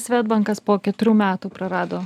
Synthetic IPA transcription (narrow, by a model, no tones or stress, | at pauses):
sʲʋʲæːd̪̚bɐŋkɐspoːkʲɛt̪ʊɾʲuːmʲæːt̪uːpɾɐɾɑːd̪oː